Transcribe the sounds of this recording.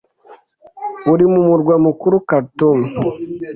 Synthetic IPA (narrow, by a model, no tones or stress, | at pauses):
uɾimumuɾɡwamukuɾukaɾtum